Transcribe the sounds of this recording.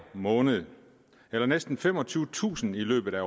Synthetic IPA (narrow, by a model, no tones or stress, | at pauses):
mɔ̽ːnəð̩ˠ | elɐnesd̥n̩fem̰ɒt͡sʰyːʊt͡sʰṵːsən̩ilø̰ːb̥ð̩ˠæ